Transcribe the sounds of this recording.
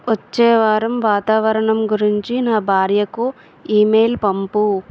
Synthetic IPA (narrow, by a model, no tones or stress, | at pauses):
ʋɐt͡ʃːɛːʋaːɾɐmʋaːt̪aːʋɐɾɐɳɐmɡuɾiɲt͡ʃinaːbʱaːɾjɐku | iːmeːlpɐmpu